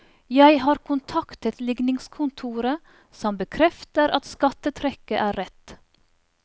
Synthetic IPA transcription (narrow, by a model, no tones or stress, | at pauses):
jæɪhɑːɾkʰʊnt̪ʰɑkt̪ət̪lɪɡnɪŋskʰʊnt̪ʰuːɾə | sɔmbəkʰɾɛft̪əɾɑt̪skɑt̪ət̪ʰɾɛkəʔæːɾɛt̪